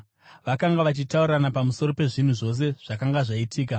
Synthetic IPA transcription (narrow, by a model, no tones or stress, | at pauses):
ʋakaŋɡaʋat͡ʃitauɾanapamuso̞ɾo̞pe̞ʐin̤uʐo̞s̬e̞ʐ̥akaŋɡaʐaitʰiːka